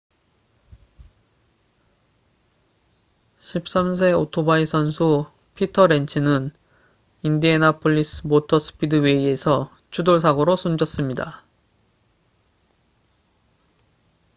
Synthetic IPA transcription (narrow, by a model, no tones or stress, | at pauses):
ɕʰip̚s͈ams̬ʰe̞otʰobaisʰʌnsʰu | pʰitʰʌɾe̞nt͡ɕʰinɯn | indienapʰoʎːisɯmotʰʌs͈ʰɯ̥pʰidɯwe̞ie̞sʰʌ | t͡ɕʰudoɭs̬ʰaɡoɾosʰumd͡ʑʌs͈ɯmɲida